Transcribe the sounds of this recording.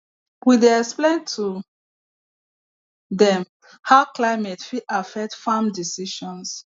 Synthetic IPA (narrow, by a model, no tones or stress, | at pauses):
wideɛksplẽntʰu | dɛ̃m | haʊklaɪmɛtfiʔafɛk̚tfamdisiʃɔ̃ns